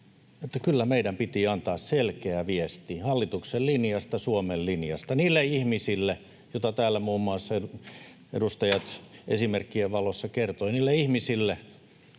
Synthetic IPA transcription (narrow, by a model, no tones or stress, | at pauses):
et̪ːɑkylːæmeidæmpit̪iɑnt̪ɑːsselkeæʋiest̪ihɑlːit̪uksellinjɑst̪ɑsuomellinjɑ̰st̪ɑniːlːeihmisilːe | jot̪ɑt̪æːlːæmuːmːuɑˑsːɑeu | ḛdust̪ɑjɑt̪ʔḛsimerkːieʋʋɑlosːɑkert̪oiniːlːeihmisilːe